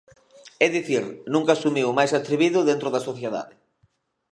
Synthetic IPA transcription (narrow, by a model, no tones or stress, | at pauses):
ɛðiθiɾnũŋkasumiwmajsat̪ɾiβiðʊðent̪ɾoðasoθjeða̰ðɪ